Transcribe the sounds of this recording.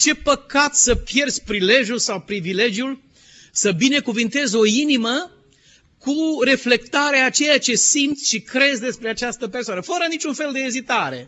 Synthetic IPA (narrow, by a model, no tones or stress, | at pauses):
t͡ʃe̞pəkat̪səpje̞rd̪zʲpɾile̞ʒjulsawpɾivile̞d͡ʒjul | səbine̞kuvɨnt̪e̞zo̞inimə | kuɾe̞fle̞kt̪aɾeaːt͡ʃe̞jat͡ʃe̞simt̪sʲʃikɾe̞zd̪e̞spɾeat͡ʃast̪əpe̞rsoanəfəɾənit͡ʃunfe̞ld̪e̞ːzit̪aɾe̞